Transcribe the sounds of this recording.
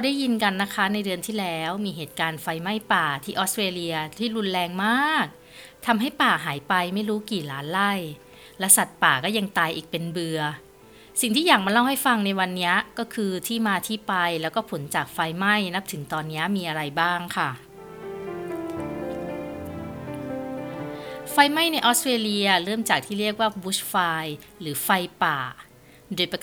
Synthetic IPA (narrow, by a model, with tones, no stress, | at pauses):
ɾa˧wdaː˥˩ji˧nka˧nːa˦˥kʰa˦˥na˧jdɯ˧ənt̪ʰiː˥˩lɛː˦˥wmiː˧ɦeː˨˩t̪̚kaː˧nfa˧jma˥˩jpaː˨˩t̪ʰiː˥˩ʔɔː˦˥st̪ɾeː˧li˧ɐt̪ʰiː˥˩ɾu˧nlɛː˧ŋmaː˥˩k̚ | t̪ʰa˧mɦa˥˩jpaː˨˩ɦaː˩˦jpa˧jma˥˩jɾuː˦˥kiː˨˩laː˦˥nla˥˩j | lɛː˦˥wsa˨˩t̪̚paː˨˩kɔː˥˩ja˧ŋt̪aː˧jʔiː˨˩k̚pe˧nbɯ˧ɐ | si˨˩ŋt̪ʰiː˥˩jaː˨˩k̚ma˧laː˥˩wha˥˩jfa˧ŋna˧jwa˧nːi˦˥ɐkɔː˥˩kʰɯː˧t̪ʰiː˥˩maː˧t̪ʰiː˥˩pa˧jlɛ˦˥wkɔː˥˩pʰo˩˦nt͡ɕaː˨˩k̚fa˧jma˥˩jna˦˥p̚t̪ʰɯ˩˦ŋt̪ɔː˧nːi˦˥ɐmiː˧ʔa˧ɾa˧jbaː˥˩ŋkʰa˥˩ | fa˧jma˥˩jna˧jʔɔː˦˥st̪ɾeː˧li˧ɐ˧ɾɤː˥˩mt͡ɕaː˨˩k̚t̪ʰiː˥˩ɾi˥˩ək̚waː˥˩bu˦˥sfaː˧j | ɾɯː˩˦fa˧jpaː˨˩ | doː˧jpa˧